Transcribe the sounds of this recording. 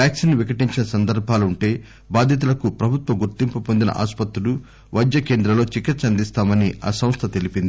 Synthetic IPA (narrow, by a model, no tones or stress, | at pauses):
pjaːksinːuʋikɐʈiɲt͡ʃinɐsɐnd̪ɐɾbʱaːlɐuɳʈe̞ː | baːd̪ʱjɐt̪̬ulɐkupɾɐbʱut̪ʋɐɡuɾt̪impupo̞nd̪inɐ̰ʔa̰ːspɐt̪ɾulu | ʋɐjd͡ʒ̪ːɐke̞ːnd̪ɾɐlo̞ːt͡ʃikitsɐnd̪ist̪aːmɐnia̰ːsɐmst̪ʰɐt̪e̞lipind̪ii